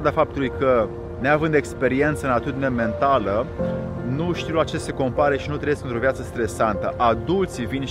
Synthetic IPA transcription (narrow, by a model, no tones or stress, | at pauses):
d̪afap̚t̪ulujkə | neavɨnd̪ekspe̞ɾie̞nt̪səɨnat̪ud̪ineme̞nt̪alə | nuʃt̪iuwlat͡ʃese̞ko̞mpaɾəʃinut̪ɾejesknt̪ɾo̞vjat̪səst̪ɾe̞sant̪əʔad̪ult̪sivin